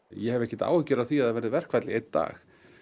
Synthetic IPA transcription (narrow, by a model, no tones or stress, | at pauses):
jɛhɛvɛhcɪt̪a̰ːwhʏcːʏɾaðθiaðɛvɛɾɪðvɛr̥kʰvɛt̪lɪejt̪t̪ːa̰ːx